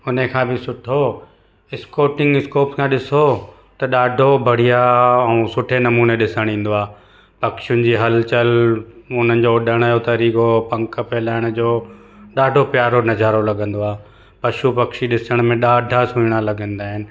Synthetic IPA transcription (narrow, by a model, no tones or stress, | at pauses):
ʊnəkʰãːbɪsʊʈʰo | ɪskoːʈɪ̃ŋɡɪskoːpkʰãːɗɪso | t̪ɐɗaːɖʱobʱɐɽ̤ijaɛũsʊʈʰenɐmuːneɗɪsəɽ̃ĩːn̆d̪oaː | pɐkʃʊnɪ̆d͡ʑiːɦɐlt͡ɕəlʊn̤ənɪ̆d͡ʑoːɗʱəɽ̃jot̪ɐɾiːkopɐ̃ŋkə̆pɛːlaːɪɽ̃ʊd͡ʑoː | ɗaːɖʱopjaːɾonɐd͡ʑʱaːɾolɐɠʱə̃nd̪oaː | pɐʃupɐkʃiɗɪsəɽ̃mẽɗaːɖʱasũɪɽ̃alɐɡə̃nd̪aːɦɪnɪ̆